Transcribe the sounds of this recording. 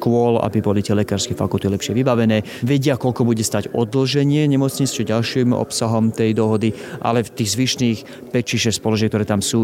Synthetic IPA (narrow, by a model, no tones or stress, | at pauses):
kʊɔla̰bibɔlit̪ɛlɛkaːɾskɛfakult̪ilɛpʃɪɛʋibaʋɛnɛː | ʋɛɟɪakɔlkɔbuɟɛst̪aːɟɔd̪l̩ʒɛɲɪɛɲɛmɔt͡sɲit͡st͡ʃɛɟalʃiːmɔ̰psaɦɔmt̪ɛjd̪ɔɦɔd̪iʔa̰lɛft̪iːɣzʋiʃniːx | pɛct͡ʃiʃɛspɔlɔʒɛk̚t̪ɔɾɛːt̪amsuː